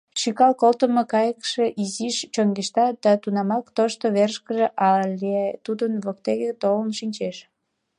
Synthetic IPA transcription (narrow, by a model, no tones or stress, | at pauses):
ʃykɑlkolt̪əməkɑjəkʃeʔiziʃt͡ɕoŋɡeʃt̪ɑd̪̥ɑt̪unɑmɑkt̪oʃt̪oβerʃkəʒeʔɑlʲeet̪ud̪ənβokt̪eɣet̪olənʃinʲt͡ɕeʃ